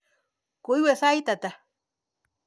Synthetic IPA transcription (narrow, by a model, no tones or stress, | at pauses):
kujwesajt̪at̪a